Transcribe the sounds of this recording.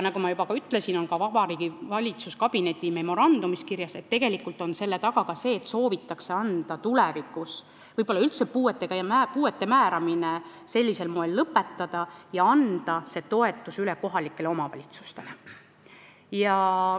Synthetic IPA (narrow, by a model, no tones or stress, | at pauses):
nɑɡumɑjubɑkɑyt̪ːˑle̞sino̞nkɑvɑb̥ɑɾiːɡ̥ivɑlʲit̪suskɑb̥ine̞t̪ʲːˑime̞mo̞ɾɑnd̪̥umiskirjɑse̞t̪ːe̞ɡ̥e̞likːˑult̪ˑo̞nse̞lːe̞t̪ɑɡ̥ɑɡ̥ɑse̞ːt̪so̞ːvit̪ːˑɑkse̞ɑnd̪̥ɑt̪ulɛvikːˑus | vɤjb̥o̞lːɑylt̪sepuːet̪ːˑe̞ɡɑjmæpuːe̞t̪ːe̞mæːɾɑmine | se̞lʲːise̞lmoe̞lːɤpːˑe̞t̪ːɑd̪̥ɑjɑɑnd̪̥ɑse̞t̪o̞e̞t̪ːˑusylɛko̞ɦɑlikːˑe̞leo̞mɑvɑ̰lʲit̪su̥st̪e̞le | jɑ